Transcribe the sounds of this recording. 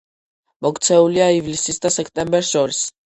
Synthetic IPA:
mɔkt̪sʰɛuliaivlisisd̪asɛkʰt̪ʼɛmbɛɾsʃɔɾis

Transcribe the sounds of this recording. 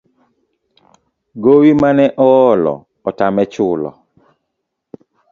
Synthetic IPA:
ɡowimanɛʔɔɔlɔ̰ | ɔtamɛt͡ʃʊlɔ̰

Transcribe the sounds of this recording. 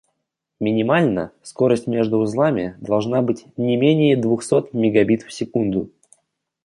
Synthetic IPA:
mʲɪnʲɪmalʲnə̰sko̞ɾəsʲtʲmʲe̞ʐd̪ʊːzlˠamʲɪd̪ɐlˠʐnabɨtʲnʲɪmʲenʲɪjəd̪vʊxso̞t̪mʲɪɡɐbʲit̪fsʲɪkund̪ʊ

